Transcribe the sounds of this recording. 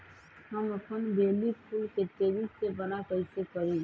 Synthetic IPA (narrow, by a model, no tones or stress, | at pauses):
həməpʰənbʱeːlipʰuːlkeʈeːɾisebənakəɪsekəɾẽ